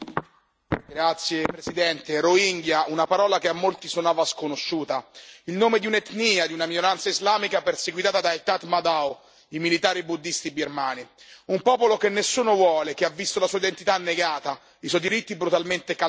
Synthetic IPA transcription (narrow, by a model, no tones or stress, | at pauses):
ɡɾat̪sːjepɾesid̪ɛnt̪eɾoiŋɡjaunapaɾɔːlakeamːolt̪isonaːvaskonoʃːuːt̪ailnoːmed̪iunet̪niːad̪iunaminoɾant̪saizlaːmikaperseɡwit̪aːt̪ad̪ajt̪at̪mad̪aw | imilit̪aːɾibud̪ːist̪ibirmaːniumpɔːpolokenːesːuːnovwɔːlek̟eavːist̪olasuːaid̪ent̪it̪anːeɡaːt̪a | iswɔjd̪iɾit̪ːibɾut̪alment̪eka